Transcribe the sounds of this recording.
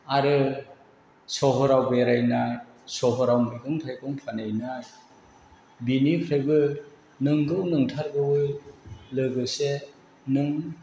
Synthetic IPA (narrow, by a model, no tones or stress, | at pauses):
aɾɯ | sɔɦɔɾawbeɾajna | sɔɦɔɾawmiɡɯŋtʰajɡɔŋpʰanajna | binipʰɾajbɯ | nɯŋɡɯwnɯŋtʰaɾɡɯwɯ | lɯɡɯse | nɯŋ